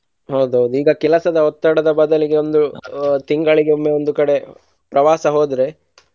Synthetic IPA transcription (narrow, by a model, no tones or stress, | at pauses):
ɦɐwd̪uɦɐwd̪uiːɡɐkɛlɐsɐd̪ɐɔt̪ːɐɽɐd̪ɐbɐd̪ɐliɡe̞o̞nd̪ut̪iŋɡɐɭiɡeomːeond̪ukɐɽe̞ | pɾɐʋaːsɐɦoːd̪ɾe̞